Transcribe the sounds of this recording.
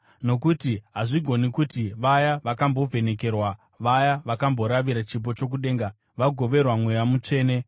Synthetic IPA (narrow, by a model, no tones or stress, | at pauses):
no̞kutiɦaʐiɡʱo̞nikutiʋajaʋakambo̞vʱe̞ne̞ke̞rwa | ʋajaʋakambo̞ɾaʋiɾat͡ʃip̬o̞t͡ʃo̞k̬uɗe̞ːŋɡa | ʋaɡʱo̞ʋe̞rwamwejamut͡ʂe̞ːne̞